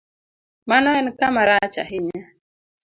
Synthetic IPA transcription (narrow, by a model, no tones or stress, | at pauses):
manɔɛnkamaɾat͡ʃa̰ɦɪɲa